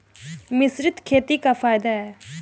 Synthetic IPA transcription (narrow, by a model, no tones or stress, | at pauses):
mɪsɾɪt̪kʰeːt̪ikapʰaːɪd̪aɛː